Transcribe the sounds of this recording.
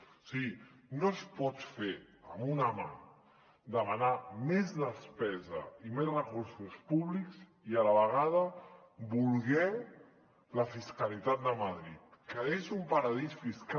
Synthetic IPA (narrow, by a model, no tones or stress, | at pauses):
siɣinospɔt͡sfe | əmunama̰ | d̪əmanamezðəspɛzə̰imesrəkuɾsuspuβlikz | ialəβəɣ̞að̞ə | bulˠɣɛw | ləfiskalit̪at̪̚d̪əmaðɾit̪̚kəezumpəɾəðisfisk